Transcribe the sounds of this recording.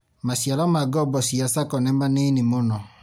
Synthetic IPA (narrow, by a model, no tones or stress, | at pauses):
masjalamaɡɔbɔsiasakɔnɛmanenɪmonɔ